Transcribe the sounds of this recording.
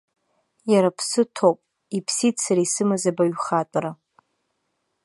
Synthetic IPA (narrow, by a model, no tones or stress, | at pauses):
jaɾapʰsɨtʰowpʼ | ipʰsitʰsaɾaisɨmazabaɥχatʷʼɾa